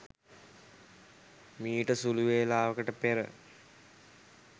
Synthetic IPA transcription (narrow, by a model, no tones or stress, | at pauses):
miːʈəsuluʋeːlaːʋəkəʈəpeɾə̰